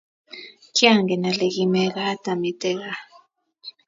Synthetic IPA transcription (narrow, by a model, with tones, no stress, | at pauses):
ki˦a˦˨ŋɡɛ˨na˨le˨ki˦mɛ˦ka˦ta˨mi˨tɛ˦ka˦